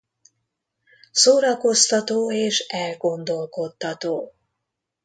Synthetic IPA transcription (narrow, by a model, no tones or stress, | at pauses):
soːɾɒko̞st̪ɒt̪oːeːʃɛlɡo̞nd̪o̞lko̞t̪ːɒt̪oː